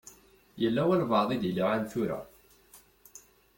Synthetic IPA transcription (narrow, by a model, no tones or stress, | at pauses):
jəlːæwælvɑðˤid̪əliʕanθuɾæ̰